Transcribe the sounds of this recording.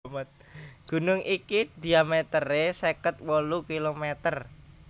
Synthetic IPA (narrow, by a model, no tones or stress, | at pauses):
mət̪̚ | ɡ̥ṳnʊŋʔikid̪i̤amet̪əresekət̪̚wolukilomet̪ər